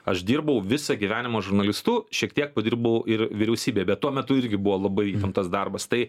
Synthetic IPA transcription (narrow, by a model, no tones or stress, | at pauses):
ɐʃd̪ʲiːɾbɐʊʋʲɪsɐɡʲiʋʲæːnʲɪmoːʒʊɾnɐlʲɪst̪ʊʃʲiɛkt̪ʲiɛk̚pɐd̪ʲiɾbɐʊʔɪɾʋʲɪɾʲɛʊsʲiːbʲeːjɛbʲɛt̪tuɔmʲɛt̪ʊɪɾʲɡʲɪbʊʋoːlˠɐbɐɪit̪ʲɐnt̪ɐsd̪ɐrbɐst̪ɐɪ